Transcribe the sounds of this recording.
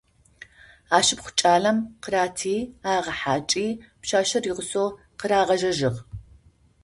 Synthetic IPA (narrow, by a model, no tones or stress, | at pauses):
aːʃɪpχʷʊ̥t͡ʃʼaːɮɐmqəɾaːtʰiːaːʁɐħaːt͡ʃʼiːpʃaːʃɐriːʁəsoː | qəɾaːʁɐʒɐʒɪʁ